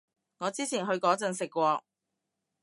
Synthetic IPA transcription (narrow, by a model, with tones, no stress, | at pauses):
ŋɔː˨˧t͡siː˥t͡sʰiː˨˩nɦɵ˧ɥkɔː˨˥t͡sɐ˧nsɪ˨kːʷɔː˧k̚